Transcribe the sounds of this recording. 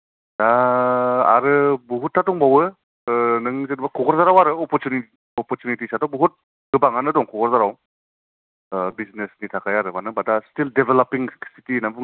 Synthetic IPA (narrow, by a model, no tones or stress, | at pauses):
da | a̰ɾɯbuɦut̚ʰːatɔŋbawɯ | nɯŋzenbakʰɔɡɔɾzaɾawaɾɯɔpɔɾtjuni | ɔpɔɾtjunitisatɔbuɦut̚ | ɡɯbaŋanɯdɔŋkʰɔɡɔɾzaɾaw | biznesnitʰakʰajaɾɯmanɯbadastildebelapiŋsitinabu